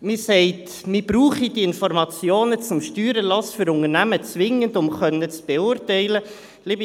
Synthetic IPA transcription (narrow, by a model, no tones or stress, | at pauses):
mɪsɛɪt | mɪbɾuːχidiɪnfɔrmɑt͡sjoːnət͡sʊmʃtyːɾəlɑsfʏɾʊŋərnæmət͡sʋɪŋːəndʊmχœnːət͡sb̥eʊɾtɛɪlə | liːbi